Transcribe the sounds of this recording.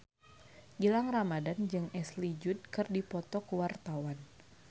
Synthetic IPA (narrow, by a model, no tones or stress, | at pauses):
ɡilaŋramadand͡ʒɨŋɛslid͡ʒʊd̚kɨrdipɔt̪ɔkəwart̪awan